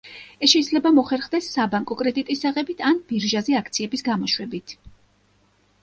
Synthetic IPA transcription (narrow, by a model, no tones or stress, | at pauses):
ɛsʃɛid̪zlɛbamɔχɛɾχd̪ɛsːabaŋkʼɔkʼɾɛd̪it̪ʼisaʁɛbit̪ʰanbiɾʒazɛakʰt̪sʰiɛbisɡamɔʃwɛbit̪ʰ